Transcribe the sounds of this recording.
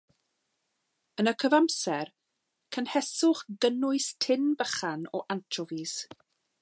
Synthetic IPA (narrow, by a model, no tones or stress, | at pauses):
ənəkʰəvamsɛr | kʰənhɛsʊχɡənʊɨstʰɪnbəχanɔʔantʰrɔvis